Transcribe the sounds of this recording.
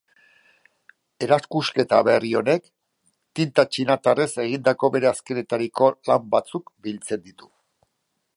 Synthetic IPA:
e̞ɾaskuske̞t̪aβe̞rio̞ne̞k | t̪int̪at͡ʃinat̪arese̞ɣ̞ind̪ako̞βe̞ɾe̞aske̞ne̞t̪aɾiko̞lambat͡sukbilt͡se̞nd̪it̪u̥

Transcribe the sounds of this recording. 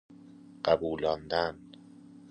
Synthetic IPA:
ɢ̥æbuːlɒnd̪æn

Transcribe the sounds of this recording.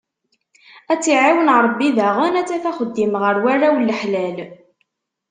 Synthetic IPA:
æt͡sːiʕiwənɾˤbːiðæʁʊnæt͡sːæθæχəd̪ːimʁəɾwærawlːəħlæl

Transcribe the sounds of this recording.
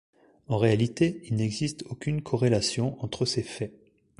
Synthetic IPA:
ɑ̃ʁealit̪eilnɛɡzist̪okʲynkʰɔʁelasjɔ̃ʔɑ̃t̪χəsefɛ

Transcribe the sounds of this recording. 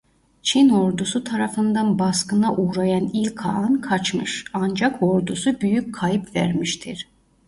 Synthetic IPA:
t͡ʃʰino̞ɾd̪usut̪ʰaɾafɯnd̪anbaskɯnaʔuːɾajanilʲkʰa̰ɯnkʰat͡ʃmɯʃand͡ʒakʰo̞ɾd̪usubyjyc̚kʰːajɯpvæ̰ɾmiʃt̪ʰiɾ̥

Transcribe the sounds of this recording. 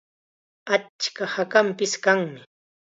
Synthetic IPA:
at͡ʃkahakampɪskaŋmɪ

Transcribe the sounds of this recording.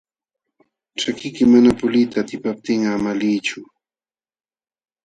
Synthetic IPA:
t͡ʃakɪjkɪmanapʊlɪjt̪aːt̪ɪpap̚t̪ɪŋamaliːt͡ʃʊ

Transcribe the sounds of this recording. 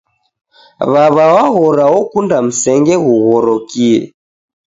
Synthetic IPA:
βaβawaɣɔɾawɔkundam̩sɛŋɡɛɣuɣɔɾɔkiɛ̰

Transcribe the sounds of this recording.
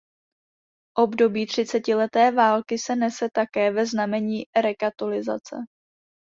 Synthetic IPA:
ʔo̞bdo̞biːt̪r̝̥ɪt͡sɛcɪlɛt̪ɛːvaːlkɪsɛnɛsɛt̪akɛːvɛznamɛɲiːɾɛkat̪olɪza̰t͡sɛ̰

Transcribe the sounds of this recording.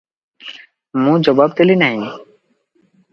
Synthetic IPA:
mũd͡ʒɔbab̚t̪elinaɦĩ

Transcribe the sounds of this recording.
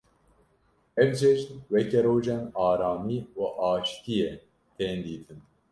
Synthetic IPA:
ɛvd͡ʒɛʒt̪wɛkɛɾoːʒɛnaːɾaːmiːuʔaːʃt̪ijɛ | t̪ʰeːnd̪iːt̪ʰɨn

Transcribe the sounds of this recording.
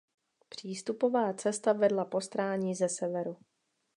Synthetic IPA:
pr̝̥iːst̪upo̞vaːt͡sɛst̪avɛdlapo̞st̪ɾaːɲiːzɛsɛvɛɾu

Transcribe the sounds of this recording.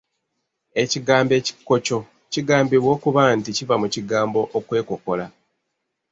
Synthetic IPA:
e̞ciɡaːmbe̞ːci̥kːo̞co̞ | ciɡaːmbiβwo̞ːkuβanticivamuciɡaːmbo̞ʔokwe̞ːko̞ko̞la

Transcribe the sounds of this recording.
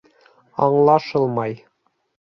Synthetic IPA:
ɑɴlˠɑʃɤlˠmɑj

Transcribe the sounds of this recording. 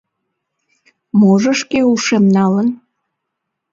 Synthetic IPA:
moʒəʃkeuʃemnɑlən

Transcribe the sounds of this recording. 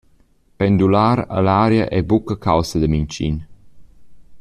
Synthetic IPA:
pɛnd̪ulaːɾə̰laːɾjəʔɛbukəkʰawsəd̪əmint͡ʃḭn

